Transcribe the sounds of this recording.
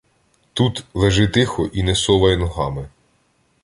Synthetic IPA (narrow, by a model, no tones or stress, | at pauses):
t̪ut̪lˠeʒɪt̪ɪxɔʔinɛsɔʋɐjɛnɔɦɑmɪ